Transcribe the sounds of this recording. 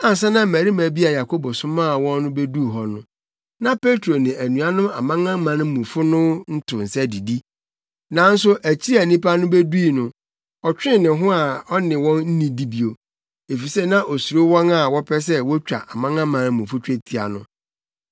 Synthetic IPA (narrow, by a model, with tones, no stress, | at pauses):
a˨n˨s̬ɛ˦nã˦mæ˨ɾi˦mæ̃˨bi˦a˨ja˨kʰo˦bɔ˨sʊ̃˦mãː˦˨wɔ̃˦nːʊ̃˦be˦du˦˨ɦɔ˦nʊ̃˦ | nã˦pe˦tʰɾo˨nɪ̃˨ʔæ˨nũ˨a˦nʊ̃˦a˨mã˦ŋã˦mã˨ñ˦mũ˨fʊ˦nʊ̃˦n̩˦tʰʊ̃˨n̩˨sɛ˦di˨di˦ | nã˨n̩˦sʊ˦ʔæ˨t͡ɕʰi˦æ˨nĩ˦pa˦nʊ̃˦be˦du˦i˨nʊ̃˨ | ɔ˨t͡ɕᶣɪ̃˦nɪ̃˨ɦʊ̃˦a˨ɔ˦nɪ̃˨wɔ̃˦nn̩˦nĩ˨di˦bi˨o˨ | e˨fi˨sɛ˦nã˦ʔo˨su˨ɾo˦wɔ̃˦na˨wɔ˦pʰɛ˦s̬ɛ˦wɔ˦t͡ɕᶣa̰˨ʔa˨mã˦ŋã˦mã˨n˦mũ˨fʊ˦t͡ɕᶣe˦tʰi˨a̰˨nʊ̰̃˦